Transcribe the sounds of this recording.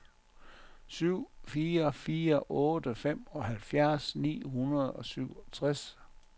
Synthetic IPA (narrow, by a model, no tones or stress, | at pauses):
syʊ̰fiːɐfiːɐʔɔ̽ːd̥əfem̰ɒ̽ɦælfjæɐsnḭːɦunɐð̞ˠɒ̽syʊ̰ɒt͡sʰʁas